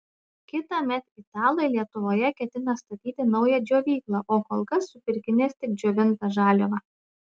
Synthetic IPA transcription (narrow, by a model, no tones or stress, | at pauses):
kʲɪt̪ɑmʲɛt̪ɪt̪ɑːlˠojlʲiɛt̪ʊʋoːjɛkʲɛt̪ʲɪnɐst̪ɐt̪ʲiːt̪ʲɪnɒʊjɛd͡ʒʲoːʋʲiːklˠɑʔoːkɔːlˠkɐsːʊpʲɪɾʲkʲɪnʲeːst̪ʲɪk̚d͡ʒʲoːʋʲɪnp̪ɐʒɑːlʲoʋɐ